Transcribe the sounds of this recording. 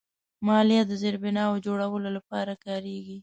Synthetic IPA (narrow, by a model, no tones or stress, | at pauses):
mɑljad̪əzeɾbɪnɑad͡ʒoɽawəlolapɑɾakɑɾeɡi